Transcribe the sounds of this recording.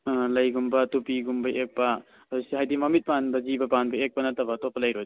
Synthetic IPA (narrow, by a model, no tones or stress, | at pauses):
lɐjɡumbɐtupiɡumbɐʔek̚pɐ | asiɦajdimamit̚panbɐzibɐpanbɐek̚pɐnɐtabɐtopʰɐlɐjɾoj